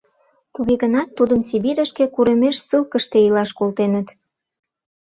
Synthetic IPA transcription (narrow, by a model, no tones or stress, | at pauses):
t̪uɣeɣənɑt̪ːud̪əmsiβiɾəʃkekuɾəmeʃsɨlkə̆ʃt̪eilɑʃkolt̪enət̪